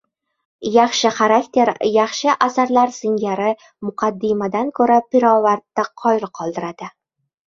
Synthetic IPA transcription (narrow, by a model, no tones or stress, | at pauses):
jɑχʃɪχaɾakt̪ʰe̞ɾjɑχʃɪʔasaɾlaɾsɪŋɡʲaɾɪ | mʊqʰɑd̪ːɪmad̪ankʰɵɾapɪɾɒvaɾd̪ːaqʰɒjɾɪqʰɒlˠd̪ɪɾad̪̥ɪ